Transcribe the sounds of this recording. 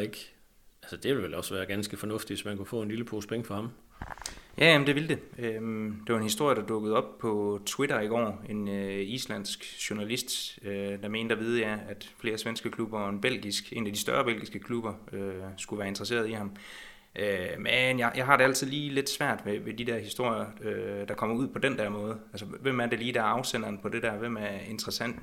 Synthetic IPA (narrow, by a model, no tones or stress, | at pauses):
eɡ̥ | ælsəd̥e̝ʋe̝lʋelɒ̽sʋæːɐɡ̥ænsɡ̥əfɒ̽nɔ̽fd̥iʋesmænkʰufɔ̰̽ːe̝nliləpʰo̝ːspʰeŋəfɒ̽hɑ̈m | jʔæjæmn̩d̥e̝ʋild̥e̝ømd̥e̝ʋɑ̈e̝nhisd̥o̝ɐ̰jədɑd̥ɔ̽ɡ̥əð̞̩ˠɒ̽b̥̚pʰɒ̽t͡sʰweɾɐiɡ̥ɒ̰ːe̝nøislæn̰sɡ̥ɕonælisd̥ød̥ɑ̈me̝̰ːnd̥ɐʋið̞ˠjɑɪæd̥fle̝ːɐsʋensɡ̥əkʰlub̥ɐɒ̽e̝nb̥el̰ɡ̥isɡ̥e̝̰ːnæd̥isd̥ɶ̰ɐb̥el̰ɡ̥isɡ̥əkʰlub̥ɐøsɡ̥uʋæːɐe̝nd̥ʁɐse̝̰ːɐð̞ˠihɑ̈m | ʔømenjɑjɑ̈ɪɦɑ̈ɾ̥e̝æl̰t͡sʰið̞̰ˠliːle̝d̥sʋæɐ̰d̥ʋeʋed̥id̥ɛɐhisd̥o̝ɐ̰jɐød̥ɑ̈kʰɒ̽m̰ɐuð̞̰ˠpʰɒ̽dend̥æɐ̰mɔ̽ːð̞̩ˠælsəʋem̰æɐde̝liːd̥æɐɑ̈ʊsen̰ɐnpʰɒ̽d̥e̝dæɐʋemæɐe̝nd̥ʁɐsæn̰d̥